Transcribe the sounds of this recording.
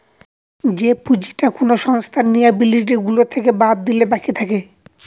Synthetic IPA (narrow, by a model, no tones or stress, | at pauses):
d͡ʑepud͡ʑi̥ʈakonoʃɔŋst̪ʰanːijabiliʈeɡulot̪ʰekebad̪̚ːilebakʰit̪ʰake